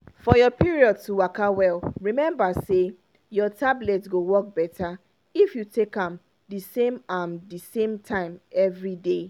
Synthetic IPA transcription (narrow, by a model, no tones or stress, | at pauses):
fɔjɔpʰiɹiɔd̚tuwakawɛlɹimɛ̃mbase | jɔtʰablɛtsɡowɔk̚bɛtʰa | ifjutʰekãm | disẽmamdisẽmtʰãɪ̃mɛvɹide